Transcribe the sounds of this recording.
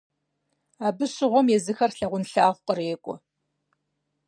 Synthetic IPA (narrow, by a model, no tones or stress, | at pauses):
aːbɨɕɪʁʷɔmjɛzɨxɐrɬɐʁʷʊnɬaːʁʷqʼəreːkʷʼɔ̰